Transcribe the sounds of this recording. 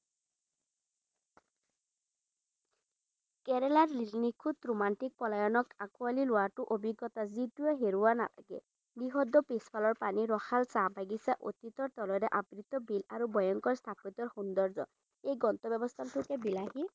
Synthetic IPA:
kɛɾɛlaɹlilnikʰut̪ɹumantik̚pɔlajɔnɔkakualilʊwatʊʔobʱiɡːɔt̪azituɛɦeɹuwana̰la̰ɡɛ̰ | niɦɔd̪ɔpespʰalɔɹpaniɹɔxalsabaɡisaʔo̰t̪it̪ɔɹt̪ɔlɔɾɛʔabɹit̪ɔbilaɹubɔjɔŋkɔɹst̪ʰapɔt̪ɔɹxund̪ɔɹzɔ̰ | ejɡɔnt̪ɔbjɔbɔst̪ʰantʰʊkɛbilaɦi

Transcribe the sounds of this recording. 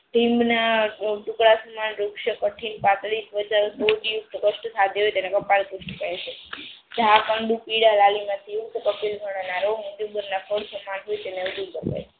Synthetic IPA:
ʈĩmbnaʈukɭasəmanɾukʃəkəʈʰinpãt̪ɾisbəd͡ʒaɾsoʈijukt̪kəʃʈəsad̪ʱeɦojt̪enekəpalkuʃʈkəet͡ʃʰe | d͡ʒʱakaɳɖũpiɽalalimãt̪ʰiukt̪kəpilɡʱəɽ̃anaɾoũnd͡ʒubəɾnapʰəɽsəmanɦojt̪eneʋəd̪ubəɾpa̰jʰ

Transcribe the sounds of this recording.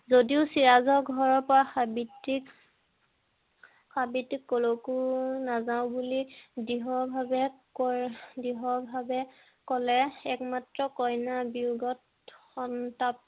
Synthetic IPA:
zodiʊsiɹazɔɡʱɔɹɔɹpɔɹaxabitik | xabitːikːolokunazaʊ̃bulidiɦɔbʱabɛkɔdiɦɔbʱabɛ | kɔlɛɛk̚matɹɔkɔjnabiuɡɔt | xɔntap̚

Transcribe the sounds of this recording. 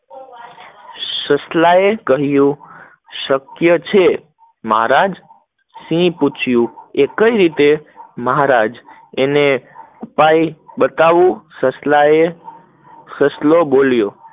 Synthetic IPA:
səslaekəɦjũ | ʃəkjət͡ʃʰe | məɦa̰ɾad͡ʒ | sĩput͡ʃʰjũekəiɾit̪eməɦaɾad͡ʒ | ene | upajbət̪aʋũsəslae | səsloboljo

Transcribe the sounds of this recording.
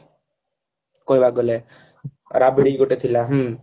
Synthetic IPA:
kojbaɡole | ɾabeɽiɡoʈet̪ʰilaɦu

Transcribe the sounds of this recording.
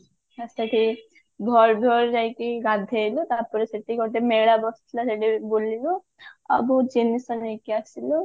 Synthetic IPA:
asaʈi | ɡʱɔɾd̪ʱɔɾd͡ʒajkiɡad̪ʱajlut̪apɔɾesaʈiɡɔʈemeɭabɔst̪ʰlaseʈibolilu | a̰bud͡ʒenisɔnejkiasilu

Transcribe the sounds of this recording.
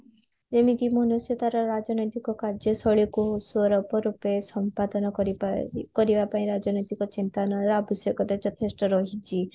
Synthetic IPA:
d͡ʒemit̪imɔnusjɔt̪aɾɔɾad͡ʒɔnɔjt̪ikɔkaɾd͡ʒjɔsɔɭikuɦosuɔɾɔpɔɾupesɔmpad̪ɔnɔɾkɔɾibapaĩɾad͡ʒɔnɔjt̪ikɔt͡ʃint̪anɔɾɔbʱisjɔkɔt̪et͡ʃɔt̪ʰesʈɔɾɔɦit͡ʃʰi

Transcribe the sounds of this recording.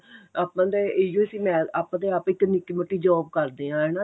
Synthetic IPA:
aːpːãːd̪eːeːd͡ʒoəsiːmɛ̃ːaːpːãːd̪eːapɪkːnɪkːiməʈːiːd͡ʒɔːb̚kəɾd̪eːãːɦɛːnaː

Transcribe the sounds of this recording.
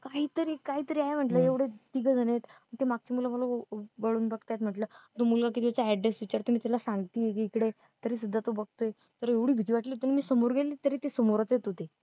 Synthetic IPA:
kaɦiːt̪əɾiːkaɦiːt̪əɾiːaɦem̤əɳʈləːeʋɽet̪iɡəd͡zʱənet̪mət̪emaɡ̚t͡ɕemuləməloʋəɭuːnbəɡ̚t̪jat̪m̤əʈləːt̪omulɡak̬iːt̪̬jat͡saɛɖɾesʋit͡ɕaɾt̪omiːt̪alasãŋɡt̪iːekikɽe | t̪əɾiːs̬ud̪ʱːat̪obəɡ̚t̪oe | t̪əɾeʋɽ̤iːbʱid͡ʑ̪iʋaʈliɦot̪ːimiːsəmoɾɡelet̪əɾiːt̪esəmoɾt͡set̪ɦot̪e

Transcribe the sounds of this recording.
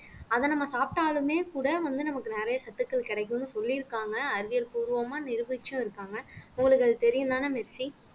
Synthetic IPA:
ɐðɐnɐmːɐsaːp̚ʈaːlɯmeːkuːɽɐʋɐnd̪ɯnɐmɐkːɯnɛɾɐjɐsɐt̪ːɯkːɐɭkɪɽɐk̬ːɯ̃nːɯsɔlːiɾɯkːaːŋɡɐːɾɯʋɪjɐlpuːɾɯʋɐmaːnɪɾɯʋɐt͡ʃːʊ̃ɪɾɯkːaːŋɡɐʊŋɡɐɭɯk̬ːɐɭt̪ɛɾɪjɯnd̪aːnaːmɛɾsi

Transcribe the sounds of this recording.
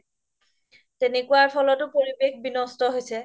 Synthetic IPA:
tenekuwaɹpʰɔlɔtʊpoɹibexbinɔstɔɦojsɛ

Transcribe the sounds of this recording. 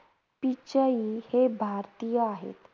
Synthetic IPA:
pit͡ɕəihebʱaɾt̪ijəaɦḛt̪

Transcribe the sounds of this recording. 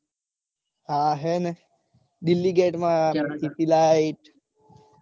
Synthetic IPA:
haːɦenə | ɖilːiɡeːʈmat̪it̪ilajiʈ

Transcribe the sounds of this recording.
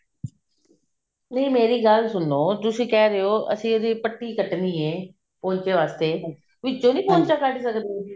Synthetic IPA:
nəiːmeːɾiːɡəlsʊnːoːt̪ʊsĩːkɛːɾəoːə̰sĩːod̪iːpəʈːiːkəʈnd̪iːɦẽː | põːɲt͡ʃeːʋaːst̪eː | ʋɪd͡ʒõːnĩːpõːɲt͡ʃaːkəɖisəkd̪i

